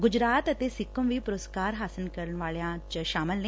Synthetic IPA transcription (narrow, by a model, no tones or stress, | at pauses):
ɡʊd͡ʒɾaːt̪ət̪eːsɪkːəmʋiːpʊɾəskaːɾɦaːsəlkəɾənʋaːleãːt͡ʃʃaːməlne